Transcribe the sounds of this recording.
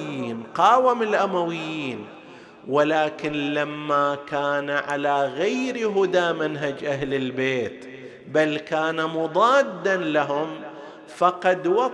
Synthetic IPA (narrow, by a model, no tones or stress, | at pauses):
iːnqɑːwamɪlʔamawɪjːiːn | walaːkɪnlamːakaːnaʕalaɣajɾiɦʊd̪aːmanɦad͡ʒʔaɦlɪlbeːt̪ | balkaːnamʊd̪ˤɑːd̪ːanlaɦʊm | fɑqɑd̪wɑ